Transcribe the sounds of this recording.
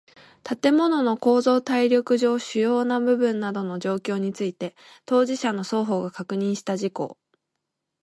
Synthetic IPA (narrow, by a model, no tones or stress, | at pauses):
t̪at̪e̞mo̞no̞no̞ko̞ːzo̞ːt̪aiɾʲo̞kɯ̟ʑo̞ːɕɨjo̞ːnabɯ̟bɯ̟̃nːad̪o̞no̞ʑo̞ːkʲo̞ːɲ̟it͡sɨit̪e̞ | t̪o̞ːʑiɕano̞so̞ːɦo̞ːɡakakɯ̟ɲ̟ĩɰ̃ɕi̥t̪aʑiko̞̰